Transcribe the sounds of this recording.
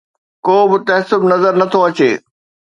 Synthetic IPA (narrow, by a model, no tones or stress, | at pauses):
koːbɪt̪ɐɦsʊbnɐzəɾnɐt̪ʰoɐt͡ɕeː